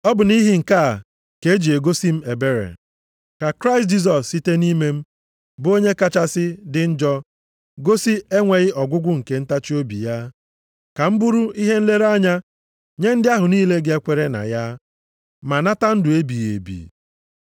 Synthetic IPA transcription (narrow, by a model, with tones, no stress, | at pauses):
ɔ˦bʊ˨ni˦ɦi˨ŋ̩˨ka˦˨ | ke˨˦d͡ʒi˨e˨ɡo˦si˦m̩˦e˨be˦ɾḛ˨ | ka˨kɾa˦ɪ˨st̚d͡ʒi˦s̬ɔ˨sːi˦te˦ni˦me˦m̩˦ | bʊ˦o˦ɲe˦ka˦t͡ʃa˦sɪ˦dɪ˨n̩˦d͡ʒɔ˦ | ɡo˦si˦e˦ŋʷe˨ɣɪ˦ɔ˨ɡʷʊ˦ɡʷʊ˦ŋ̩˨ke˨˦n̩˦ta˦t͡ʃi˦o˦bi˨ja˦ | ka˨m̩˦bu˦ɾu˦i˦ɦe˦n̩˦le˦ɾa˦ɲa˦ | ɲe˦n̩˦dɪ˦a˦ɦʊ˨niː˦le˦ɡe˦kʷe˦ɾe˦na̰˨ja˦ | ma˨na˦ta˦n̩˦dʊ˨e˦bi˨ḛ˨bḭ˨